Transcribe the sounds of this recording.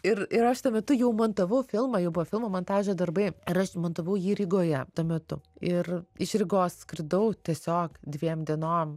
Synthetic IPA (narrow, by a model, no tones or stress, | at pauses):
ɪɾɪɾɐʃt̪uɔmʲɛt̪ʊjɛʊmɐnt̪ɐʋɐʊfʲɪlˠmɐjɛʊbʊʋɐfʲɪlˠmoːmont̪ɑːʒʲɛd̪ɐrbɐɪɪɾɐʃmɐnt̪ɐʋɐʊjiːɾʲɪɡoːjɛt̪uːmʲɛt̪ʊ̰ɪrɪʃɾʲɪɡoːsskɾʲɪd̪ɐʊt̪ʲiɛsʲoːkd̪ʲʋʲiɛmd̪ʲiɛnoːm